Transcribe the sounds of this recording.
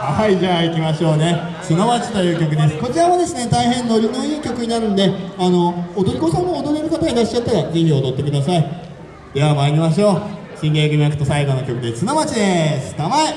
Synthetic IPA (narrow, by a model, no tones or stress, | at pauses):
haiʑaːikʲimaɕo̞ːne̞ | t͡sɨnomat͡ɕi̥t̪o̞jɯ̟ːkʲo̞k̬ɯ̟d̪e̞sɨ̥ko̞t͡ɕiɾaβad̪e̞sɨne̞t̪aiɦẽ̞nːo̞ɾʲinoiːkʲo̞kɯ̟ɲ̟inaɾɯ̟nd̪e̞ano̞ːd̪oɾʲikosãnːood̪oɾʲiɾʲikat̪aɡiɾaɕit͡ɕːat̪ːaɾad͡ʑĩnɾʲiod̪o̞t̪ːe̞kɯd̪asai | d̪eamaiɾʲimaɕ̬o̞ː | ɕĩŋɡe̞ːɡɯ̟mʲiakɯ̟̥t̪osaiɡo̞no̞kʲo̞kɯ̟d̪e̞t͡sɨnomat͡ɕid̪esɨ̥t̪amae